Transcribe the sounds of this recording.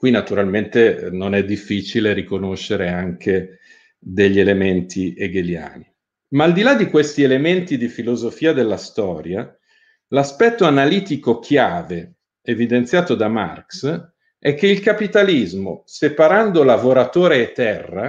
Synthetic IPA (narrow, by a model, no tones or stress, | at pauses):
kwinːat̪uɾalment̪enonɛd̪ːifːiːt͡ʃileɾikonoʃːeɾeaŋkʰe | d̪eʎːielement̪ʰieɡelja̰a̰ːni | maːld̪ilad̪ikwest̪ielement̪id̪ifilozofiːad̪elːast̪ɔːɾja | laspɛt̪ːoanaliːt̪ikok̟ʰjaːve | evid̪ent̪sjaːt̪od̪ama̰rks | ɛk̟ːeilkapit̪alizmosepaɾand̪olavoɾat̪oːɾeːt̪ːɛrːa